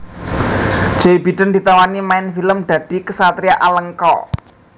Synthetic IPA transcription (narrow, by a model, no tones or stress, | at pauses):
d͡ʒ̥ejbi̤d̪̥ənd̪i̤t̪awanimaɪnfiləmd̪̥ä̤d̪̥i̤kəsat̪ɾiaʔaləŋkɔ̰